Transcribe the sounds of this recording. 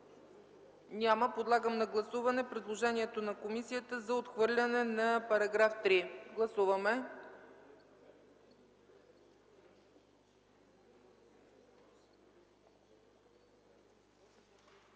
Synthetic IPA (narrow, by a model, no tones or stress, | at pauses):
nʲaməpod̪lˠaɡəmnɐɡlˠɐsuvɐnɛpɾid̪lˠoʒɛniɛt̪onɐkomisijət̪əzɐot̪xvɤɾlʲɐnɛnɐpɐɾɐɡɾaft̪ɾiɡlˠɐsuvəmɛ